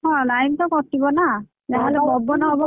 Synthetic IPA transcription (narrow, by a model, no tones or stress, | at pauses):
ɦɔ̃lajnt̪ɔkɔtːibɔna | d͡ʒaɦɔlɛbɔbɔnɔɦɔbɔ